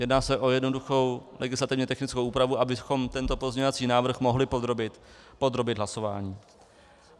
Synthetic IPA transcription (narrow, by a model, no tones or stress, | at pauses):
jɛdnaːsɛʔo̞jɛdnoduxo̞wlɛɡɪslat̪ɪvɲɛt̪ɛxnɪt͡skowʔuːpɾavuʔabɪxo̞mt̪ɛnt̪o̞po̞zɲɛɲovat͡siːnaːvr̩xmoɦlɪpod̪ɾobɪt̪ | pod̪ɾo̞bɪd̪ɦlaso̞va̰ːɲiː